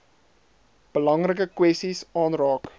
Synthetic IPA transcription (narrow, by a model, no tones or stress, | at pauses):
b̥əlɐŋrəkəkwɛstisɑːnrɑːk